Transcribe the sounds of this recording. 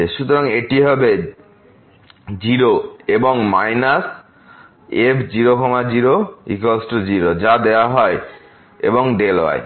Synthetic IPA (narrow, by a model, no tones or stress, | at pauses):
eʃut̪oɾaŋeʈiɦɔbe | d͡ʑiɾoeboŋmajnas | ebd͡ʑiɾokʰɔmad͡ʑiɾoḭkosʈod͡ʑiɾod͡ʑad̪eoaɦɔe | ḛboŋɖela̰e